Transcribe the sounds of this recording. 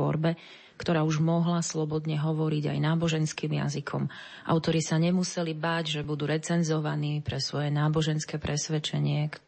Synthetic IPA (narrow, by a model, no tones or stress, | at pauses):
ɔ̰ɾbɛ | kt̪ɔɾaːuʒmɔɦlaslɔbɔd̪ɲɛɦɔʋɔɾiɟa̰jnaːbɔʒɛnskiːmja̰zikʰɔ̰m | ʔa̰ʊt̪ɔɾisaɲɛmusɛlibaːɟʒɛbud̪uːɾɛt͡sɛnzɔʋaniːpɾɛsʋɔjɛnaːbɔʒɛnskɛːpɾʔɛsʋɛt͡ʃɛɲɪɛk